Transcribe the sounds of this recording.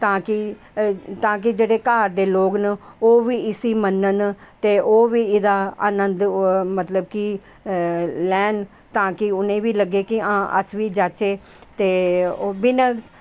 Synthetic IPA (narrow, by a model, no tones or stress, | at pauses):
t̪ãːkɪ | t̪ãːk̬ɪd͡ʒeːɽeːkaːɾd̪eːloːknoːʋiːɪsiːmənːənt̪eːʔoːʋiːɪd̪aːaːnənd̪mət̪ləb̚ki | lɛːn | t̪ãːkɪʊnẽːʋiːləɡeːkɪãːʔə̰sʋiːd͡ʒaːt͡ʃeːt̪eːobinə